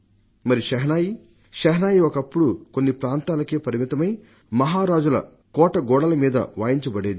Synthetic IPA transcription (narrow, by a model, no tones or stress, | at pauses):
mɐɾiʃɐɦnaːji | ʃɐɦɐnaːjiɔkɐpːuɽukonːipɾaːnt̪aːlɐkeːpɐɾimit̪ɐmɐj | mɐɦaːɾaːd͡ʒulɐ̰ | kɔːʈɐɡɔːɽɐlɐmiːd̪ɐ̰ʋaːjiɲt͡ʃɐbɐɽeːd̪i